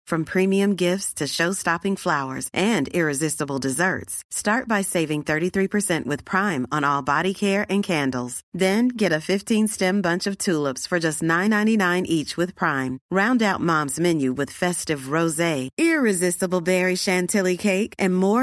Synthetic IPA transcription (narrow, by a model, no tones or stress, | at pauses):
fɹʌ̃mpʰɹ̥ĩmiɨ̃mɡɪftstʰɨʃoʊstɑpɪ̃ŋflaʊə̰˞zʔɨ̃nɪɹɨzɪstəbl̩ˠdɨzɜ̰˞tstɑɹt̚b̥aɪseɪvɪ̃ŋθɜ˞ɾiθɹipʰə˞sɛ̃nʔwɨð̥pʰɹ̥ãɪ̃mə̃nɔlˠbɑɾikʰɛɹɨ̃nkʰæ̃ndˡl̩ˠz̥ðɨ̃nɡɛɾɨfɪftʰĩnstɛ̃mbʌ̃nt͡ʃʌv̥tʰulˠəpsfə˞d͡ʒʌstnãɪ̃nːãɪ̃ñinãɪ̃nʔit͡ʃwɨð̥pʰɹ̥ãɪ̃mɹãʊ̃ndaʊt̚mɑ̃mzmɛ̃njʉwɨð̥fɛstɨvɹoʊzeɪɪɹɨzɪstəbl̩ˠbɛɹiʃæ̃ntʰɪlˠikʰeɪkɨ̃nmɔɹ